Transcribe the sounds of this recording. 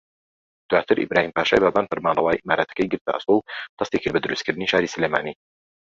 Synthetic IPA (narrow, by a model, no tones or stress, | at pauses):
d̪̥waːt̪ʰɨɾʔḭbɾaːhimpaːʃa̰ːjbaːbaːnfɐɾmaːnlɑwaːjʔimaːɾaːt̪ɐ̥kɐjɡɨɾt̪ʰɐ̰ʔɐ̰st̪owt̪ʰɐst̪ekibɐd̪ɨɾɨst̪kɨɾd̪ɨniːʃaːɾisɨlemaːni